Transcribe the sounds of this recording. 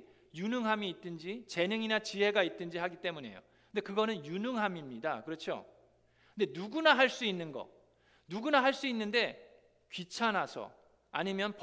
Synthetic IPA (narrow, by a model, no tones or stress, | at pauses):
junɯŋɦamiːt͈ɯnd͡ʑit͡ɕe̞nɯŋinat͡ɕiɦe̞ɡait͈ɯnd͡ʑiɦaɡit͈e̞mune̞̰jo̰ | ɯnde̞kɯɡʌnɯnjunɯŋɦamimɲidakɯɾʌt͡ɕʰo̰ | ɯndenuɡunaɦaɭs͈uinːɯnɡʌ̰ | nuɡunaɦaɭs͈uinːɯnde̞ | kɥit͡ɕʰanasʰʌ̰ | a̰ɲimjʌnp